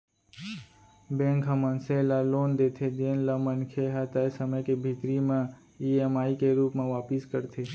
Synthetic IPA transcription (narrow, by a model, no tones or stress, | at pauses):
bẽŋkɦəmənselaloːnd̪et̪ʰed̪enləmənkʰeɦat̪aesəməjkebʱit̪ɾimã | iemaikeɾupmãʋaːpɪskəɾt̪ʰe